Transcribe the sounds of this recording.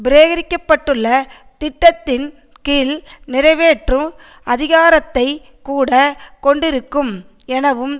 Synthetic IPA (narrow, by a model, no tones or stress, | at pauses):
bɪɾeːɣɐɾɪkːɐpːɐʈːɯɭːɐ | t̪ɪʈːɐt̪ːɪn | kiːlnɪɾɐɪʋeːʈrɯ̃ | ɐðɪɣaːɾɐt̪ːɐɪ | kuːɽɐkɔɳɖɪɾɯkːɯm | ɛnɐʋɯm